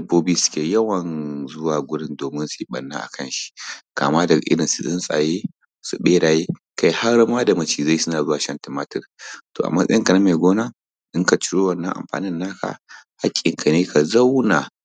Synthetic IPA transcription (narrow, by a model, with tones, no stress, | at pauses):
ɐ˦boː˦biː˦sʊ̥˦kʲeː˨jɐ˦wɐ˨nzʊ˦waː˨ɡʷʊ˦ɽɪ˦ndoː˨mɪ˦nsu˨ji˦ɓɐ˨nːa̰ː˦ʔa̰˨kɐ˦nʃi̥˦ka̰ː˨maː˦dɐ˨ɡa˨ʔɪ˦ɽɪ˨nsi˨sɪ˦nsʼa̰ː˨jeː˦ | su˨ɓeː˦ɽaː˨jeː˦ | ka˦jha˦rmaː˦da˨mɐ˦t͡ʃiː˨za˦˨ji˦sʊ˦naː˨zʊ˦waː˨ʃɐ˦ntɪ˨maː˦tɪ˦˨rtoː˨ʔa̰˨mɐ˦sʼɐ̰˦jɪ˦ŋka˨na˦ma˨jɡʷoː˦naː˦ | ʔɪ˦ŋka˨t͡ʃɪ̥˦ɽoː˦wɐ˦˨nːɐ˦ŋʔa̰˨mɸa̰ː˨nɪ˦nːa˦kʰa̰˨ha˦kʲʼːɪ˨ŋkʰa˨neː˦kʰa˨za˦wna˨